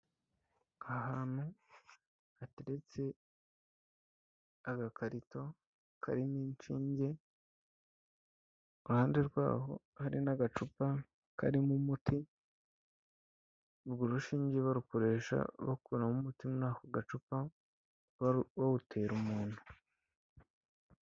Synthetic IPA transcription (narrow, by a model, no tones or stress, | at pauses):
ahaːnu | ateɾet͡se̞ | aɡakʰaɾito̞ | kʰa̰ɾiniːnt͡ʃiːɲɟe | uhaːndeɾɡwa̰ːɦo̞̰haɾinaɡat͡ʃupa | kaɾimumuti | βɡuɾuʃiːɲɟeβaɾukoɾe̞ːʃa̰βokuɾamumutimunaːkoɡat͡ʃupa | βawutʰe̞ːɾumuːnhu